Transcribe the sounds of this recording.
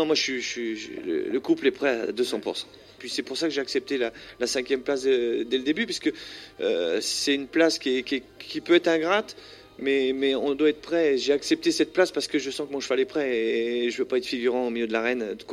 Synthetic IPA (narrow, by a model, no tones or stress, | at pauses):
nɔ̃mwaʒsɥiʃɥilə̰ləkuplɛpχɛa̰d̪øsɑ̃puʁsɑ̥̃ | pɥisɛpuʁsakəʒeaksɛp̚t̪elalasɛ̃kʲjɛmplasəd̪ɛld̪ebypɥiskəø̰sɛynplaskʲiɛkʲɛ | kʲipøɛt̪χɛ̃ɡʁat̪ | mɛmɛɔ̃d̪waɛt̪χəpχɛʒeaksɛp̚t̪esɛt̪̚plaspaʁsə̥kəʒəsɑ̃kɔmɔ̃ʃfalɛpχɛʒəvøpaɛt̪χfiɡʲyʁɑ̃omiljød̪əlaʁɛnøkwa